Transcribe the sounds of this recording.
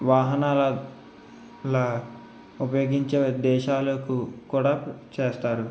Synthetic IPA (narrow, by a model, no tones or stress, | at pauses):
ʋaːɦɐnaːlɐ | lɐ | upɐjoːɡiɲt͡ʃeːd̪ɛːʃaːlɐkukuːɽaːt͡ʃeːst̪aːɾu